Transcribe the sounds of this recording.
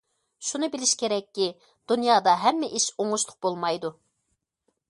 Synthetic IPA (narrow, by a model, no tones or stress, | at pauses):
ʃunɨbɪlɪʃkʲeɾɛkʲːi | d̪̥unjɑːd̪ɑɦɛmːɛʔiʃoŋʊʃlˠʊq̚bolˠmɑjd̪u